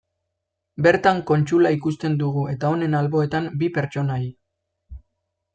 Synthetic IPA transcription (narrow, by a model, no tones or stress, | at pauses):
be̞ɾt̪aŋko̞nt͡ʃulaikust̪e̞nd̪uɣuʔe̞t̪ao̞ne̞nalβo̞e̞t̪ambipe̞ɾt͡ʃo̞naj